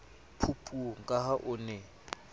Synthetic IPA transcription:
pʰupʼuŋ̩kʼahaʔʊnɛ

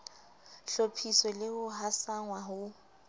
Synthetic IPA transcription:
ɬopʰisɔlɪhʊɦasaŋwaɦʊ

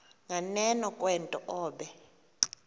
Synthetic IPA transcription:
ŋanɛnɔkʼwɛntʼɔʔɔːɓɛ

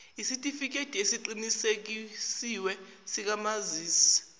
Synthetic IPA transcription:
isitʼifik̬etʼiesiǃinisek̬isiwɛ | sik̬amaziːsi̥

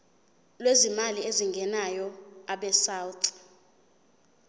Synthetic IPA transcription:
lwezimalieziŋɡʱɛnajɔaɓɛsaːwt

